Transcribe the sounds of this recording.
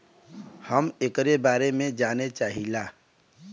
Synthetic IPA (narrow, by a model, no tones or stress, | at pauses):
həmekɾebaːɾemẽd͡ʒaːnet͡ʃaːɦilaː